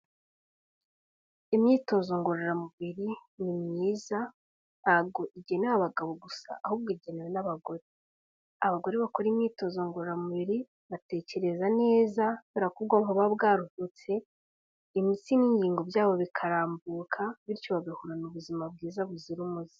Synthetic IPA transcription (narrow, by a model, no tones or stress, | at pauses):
imɲiːto̞ːzo̞ŋɡoɾaɾamuβiɾinimɲiːza | nabɡo̞ʔiɟe̞newaβaɡaβo̞ɡusa̰ʔahubɡiɟe̞newenaβaɡo̞ɾe | aβaɡo̞ɾeβakoɾimɲiːto̞ːzoŋɡoɾaɾamuβiɾi | βate̞ːce̞ɾe̞zane̞ːzaβeɾakubɡoːŋoβabɡaːɾuhut͡se̞ | imisiniːɲɟiːŋɡo̞bjaːβoβikʰaɾaːmbuːkʰaβiɾcoβaɡahuɾanuβuzimab̚ɡiːzaβuziɾumuzi̥